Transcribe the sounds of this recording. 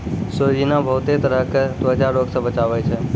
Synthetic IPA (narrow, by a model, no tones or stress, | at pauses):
sod͡ʒinabʱəwt̪et̪əɾəkd̪ʋəd͡ʒaɾoksəbət͡ʃaʋajt͡ʃʰe